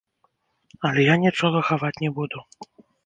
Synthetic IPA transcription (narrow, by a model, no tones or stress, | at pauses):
ɐlʲɛjanʲit͡ʂɔɣɐxavat͡sʲnʲɛbud̪u